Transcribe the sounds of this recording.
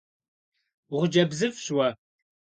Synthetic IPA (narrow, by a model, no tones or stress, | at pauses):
ʁʷʊd͡ʒɐbzɨfɕwɐ